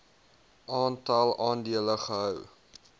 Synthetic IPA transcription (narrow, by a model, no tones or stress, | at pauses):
ʔɑːntɐlˠɑːndiələχəɦœw